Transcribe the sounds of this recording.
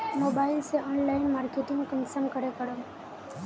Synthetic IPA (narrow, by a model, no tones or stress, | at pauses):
mobaɪlseʔɔːnlaɪnmaːɾkeʈɪ̃ŋɡkənsəmkəɾekəɾo